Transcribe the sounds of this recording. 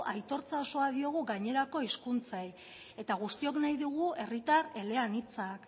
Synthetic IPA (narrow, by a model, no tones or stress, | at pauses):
ʔajt̪o̞ɾt͡sao̞so̞aðio̞ɣ̞uɣaɲe̞ɾako̞iskunt͡saj | e̞t̪aɣ̞ust̪io̞knajðuɣ̞ue̞rit̪aɾe̞le̞anit͡sak